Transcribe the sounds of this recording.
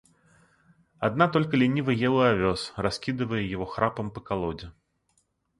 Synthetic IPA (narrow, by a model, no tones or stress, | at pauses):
ad̪nat̪ɔlʲkilʲinʲivɐjɛlˠɐavʲɔsrasʲkʲid̪ɨvɐjɛjaɣɔxɾapɐmpɐkalˠɔd͡zʲɛ